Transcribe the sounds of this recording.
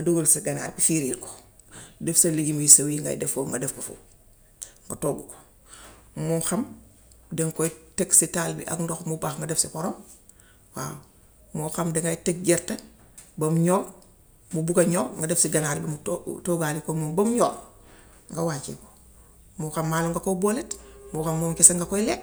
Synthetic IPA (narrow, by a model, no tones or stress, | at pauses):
ɡɐdoɡolsiɡana̰ːɾbifiɾiːlko̥ | defsaliɟimujisawiŋɡa̰j̰defoːŋɡa̰defkofṵ | ŋɡatoːɡuko̥ | muxam | deŋkoteksitaːlbḭʔa̰kndoxmubaxŋɡadefsikoɾom | wa̰ː | moxamdeŋɡajtek̚ɟeɾtɐ | bɐmɲoː | mubukaɲoːŋɡadefsiɡanaːlibimtoɡaːlikomumbɐmɲoː | ŋɡawaːt͡ʃḭko | muxamːaːluŋɡakoboletmuxamːomkeseŋɡakoile